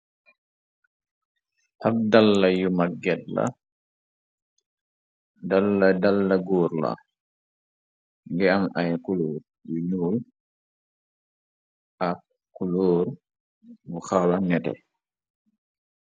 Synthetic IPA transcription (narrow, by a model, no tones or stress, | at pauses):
ʔabdalːajumaɡɛdla̰ | dalːadalːaɡɔːɾla̰ | ŋɡɛamajkuloːɾ | uɲuːl | ʔa | kuloːɾ | wuxalanɛtɛ̰